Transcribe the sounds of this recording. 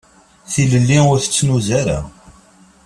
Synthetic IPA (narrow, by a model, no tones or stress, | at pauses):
θiləlːiʊɾθə̥t͡sːnuzaɾa̰